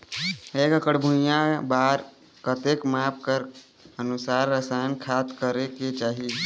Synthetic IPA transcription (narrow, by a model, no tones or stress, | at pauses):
ekəkəɽbʱujãbaɾ | kət̪ekmap̚kəɾ | ənusaɾːəsajnkʰat̪kəɾeket͡ʃaːɦi